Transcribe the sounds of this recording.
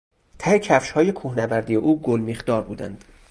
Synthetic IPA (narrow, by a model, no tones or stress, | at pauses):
t̪ʰæhecʰæfʃhɒːje̞kʰuːhnævæɾd̪ijeʔuːɡolmixd̪̥ɒːɾbuːd̪æ̰nd̪̥